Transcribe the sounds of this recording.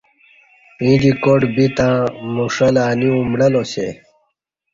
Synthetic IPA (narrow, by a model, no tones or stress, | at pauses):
ĩd͡ʑikoʈbit̪ãːmuʂɐlaːniũmɽɐlosḛ